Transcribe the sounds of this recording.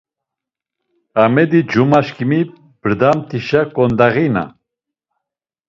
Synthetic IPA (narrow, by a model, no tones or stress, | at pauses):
amɛd̪id͡ʒumaʃkimi | b̥əɾd̪amt̪ʰiʃakɔnd̪aɣina̰